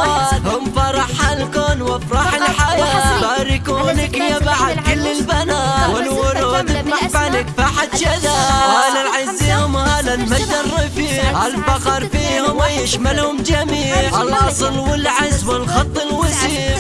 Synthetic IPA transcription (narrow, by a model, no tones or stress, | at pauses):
at̪hʊmfɑɾˤɑħalkoːnwafɾˤɑħɪlħajaːbaɾɪkuːnɪkjabaʕad̪kʊlːɪlbanaːwɪlwʊɾoːd̪ɪmaħbanɪkfaħat̪ʃad̪aːhaːlalʕɪziːhʊmhaːlalmad̪ːarˤːɑfiːʕʔalfɑqɑɾˤfiːhʊmɪjɪʃmalhʊmd͡ʒamiːʕalʔɑsˤlwɪlʕɪzwɪlxɑt̪ˤːɪlwasiːʕ